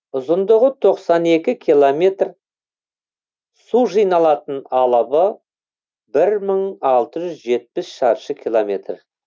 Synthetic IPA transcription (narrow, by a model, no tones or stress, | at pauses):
ʊzənd̪əʁət̪ʰo̞qsɑne̞kʲɪkʲʰijlˠome̞t̪r | suʒijnɑlˠɑt̪ənɑlˠəbə | bɪɾməɴɑlˠt̪əʒʏzʒe̞t̪̚pɪsʃɑɾʃəkʲʰilˠomʲe̞t̪r